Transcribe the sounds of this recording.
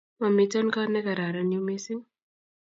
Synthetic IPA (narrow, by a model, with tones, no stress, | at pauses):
ma˨mitɔ˦nkanɛ˦ka˨ɾa˨ɾanimesi˦ŋ